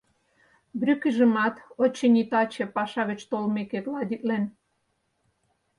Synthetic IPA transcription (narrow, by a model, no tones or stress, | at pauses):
brʲykəʒəmɑt̪ot͡ɕːenʲit̪ɑt͡ɕĕpɑʃɑɣə̆t͡ɕt̪olmekeklɑd̪ʲit̪̚len